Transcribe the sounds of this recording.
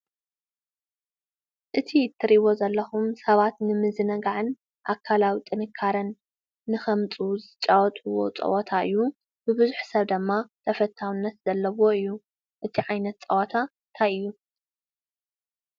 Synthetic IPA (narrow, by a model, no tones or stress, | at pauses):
ʔɨt̪ʰit̪ʰːɨɾiβo̞zɐlːɐxumsɐβat̪nɨmɨzɨnɐɡaʕɨn | ʔakʰːalawit̪ʼɨnɨkʰːaɾɐnː | ɨxɐmt͡sʼuzɨt͡ʃʼːawɔt̪ʼuwo̞t͡sʼɐ̰wot̪ʰaʔɨjːu | b̥ɨbɨzuħsɐβd̪ɨmːat̪ʰɐfɐt̪ʰːawɨnːɐt̪z̥ɐlːɐwo̞ɨjːu | ʔɨt̪ʰiʕajnɐt̪̚t͡sʼɐwɔt̪ʰant̪ʰajɨjːu